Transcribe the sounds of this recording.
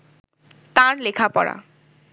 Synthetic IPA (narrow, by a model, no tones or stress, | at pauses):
t̪ãɹlekʰapɔ̰ɹa̰